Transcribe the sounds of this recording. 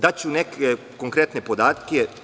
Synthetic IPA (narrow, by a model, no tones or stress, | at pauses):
d̪at͡ɕuneke | koŋkɾet̪nepod̪aːt̪ke